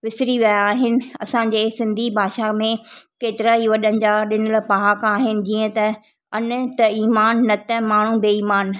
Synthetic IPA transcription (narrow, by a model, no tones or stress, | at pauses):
ʋɪsɪɾiʋiaaːɦɪnɪ̆ɐsãɲ̆d͡ʑeːsɪ̃nd̪ʱibʱaːʃamẽkeːt̪ɪɾaiʋɐɗənɪ̆d͡ʑaːɗɪnəlpaːkaːɦɪnɪ̆d͡ʑiːə̃t̪ɐ | ɐnt̪ɐiːmaːnːɐt̪ɛmaːɳ̤ũbeiːmaːn